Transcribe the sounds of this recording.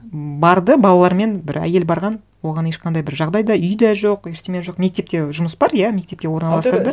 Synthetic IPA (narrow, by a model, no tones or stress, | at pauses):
bɑɾd̪əbɑlˠɑlˠɑɾme̞nbɪ̰ɾæ̰je̞lbɑɾʁɑn | wo̞ʁɑne̞ʃqʰɑnd̪ɑjbɪɾʒɑʁd̪ɑjd̪ɑʏjd̪ɑʒoqeɾt̪emʲeʒo̞qme̞k̚t̪e̞p̚t̪e̞ʒʊməsbɑɾjæme̞k̚t̪e̞p̚kʲe̞wo̞ɾnɑlˠɑst̪əɾd̪ə